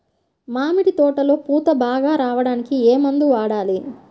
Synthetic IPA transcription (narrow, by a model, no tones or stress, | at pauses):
maːmiɽit̪ɔːʈɐlo̞ːpuːt̪ɐbaːɡaːɾaːʋɐɽaːnikieːmɐnd̪uʋaːɽaːli